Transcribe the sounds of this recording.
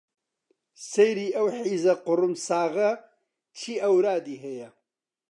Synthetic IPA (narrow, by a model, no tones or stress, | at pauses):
sejɾiːʔɐwħiːzɐqʊɾʊmsaːɣɐ | t͡ʃʰiːɐwɾaːd̪iːɦejɐ